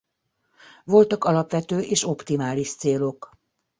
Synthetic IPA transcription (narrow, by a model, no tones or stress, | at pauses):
ʋo̞lt̪ɒkɒlɒpʋɛt̪øːʔeːʃo̞pt̪imaːliʃt̪seːlo̞k